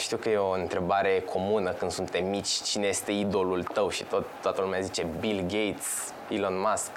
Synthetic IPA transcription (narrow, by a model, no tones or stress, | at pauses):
ʃt̪iwkəje̞o̞ɨnt̪ɾe̞baɾe̞kʰo̞munəkɨnd̪sunt̪emit͡ʃʲt͡ʃine̞je̞st̪e̞id̪o̞lult̪əwʃi̥̰t̪ot̪ːoat̪əlumeazit͡ʃe̞bilɡejt̪s | bilo̞nmask